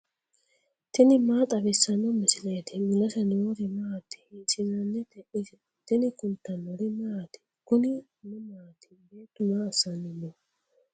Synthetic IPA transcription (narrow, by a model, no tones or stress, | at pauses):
t̪ɪnɪmaːt̪ʼɐbɪsːɐnːɔmɪsɪleːt̪ɪmɪlɐsɐnɪwɔɾɪmɐat̪ːɪ̥hɪnsɪzɐnːɛt̪ɛʔɪsɪ | t̪ɪnɪkʊnt̪ːɐnɔɾɪmaat̪ɪ̥ | kʊnɪ | nʊmaːt̪ɪ̥beːt̪ːʊmaːɐsːɐnːɪnːɔ